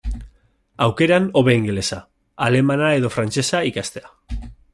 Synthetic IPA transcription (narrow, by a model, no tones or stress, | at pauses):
awke̞ɾano̞βeiŋɡele̞sa | ale̞manae̞ðo̞fɾant͡ʃe̞saikast̪e̞a